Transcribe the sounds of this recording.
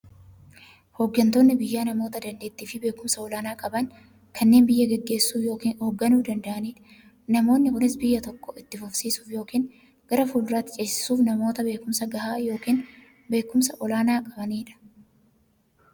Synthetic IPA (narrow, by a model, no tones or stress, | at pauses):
hoːɡːɐnt̪o̞ːnːɪbɪjːaːnɐmo̞ːt̪ɐd̪ɐnd̪e̞ːt̪ːiːfɪbe̞ːkːʊmsɐɔlaːnaːkʼɐbɐŋ | kʰɐnːe̞ːnbɪjːɐɡɛɡːe̞ːsːuːjo̞ːkiːnhoːɡːɐnuːd̪ɐnd̪ɐʔɐniːᶑ | nɐmo̞ːnːɪhʊlɪsbɪjːɐt̪ɔkːɔɪt̪ːɪfʊfsiːsu̥ːfjo̞ːkiːn | ɡ̥ɐɾɐfuːlʊɾaːt̪ːɪ̥t͡ʃʼeːsɪ̥suːfnɐmo̞ːt̪ɐbe̞ːkʊmsɐɡɐhaːjo̞ːkiːn | be̞ːkːʊmsɐʔɔlaːnaːkʼɐbɐniːᶑɐ̥